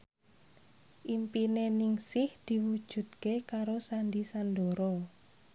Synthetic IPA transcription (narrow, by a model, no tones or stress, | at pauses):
ʔimpinenɪŋsɪhd̪̥i̤wud̥ʒ̥ṳd̪̚kekaɾosanɖisandoɾɔ